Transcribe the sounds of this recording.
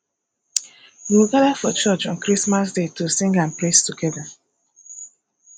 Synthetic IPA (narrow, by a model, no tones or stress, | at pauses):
jiwiɡaðafɔt͡ʃɔt͡ʃɔ̃nkɹismas̬detusĩŋɡãnplestuɡɛða